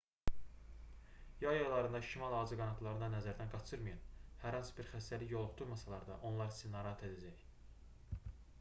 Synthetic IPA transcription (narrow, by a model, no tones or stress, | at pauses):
jɑjɑjlˠɑɾɯnd̪ɑʃimɑlˠɑːzɯɡɑnɑt̪ʰlˠɑɾɯnɑnæzæɾd̪ænɡɑt͡ʃʰɯɾmɯjɑnhæɾhɑnsɯ̥biɾχæst̪æliçjo̞lˠuχd̪̥uɾmɑsɑlˠɑɾd̪ɑ̰ʔo̞nlˠɑɾisinːɑɾɑɦɑt̪ʰe̞d̪æd͡ʒæj